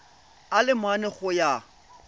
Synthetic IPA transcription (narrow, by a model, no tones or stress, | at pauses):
alɪmwanɛχʊja